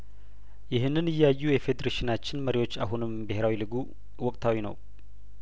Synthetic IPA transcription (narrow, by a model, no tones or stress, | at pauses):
jɪɦɨnːɨnɨjːajːujɛfe̞d̪eɾeʃɪnat͡ʃːɪnməɾiwo̞t͡ʃːa̰ɦunɨmbɨɦe̞ɾawilɨɡu | wɔkʼt̪ʰawinə̰w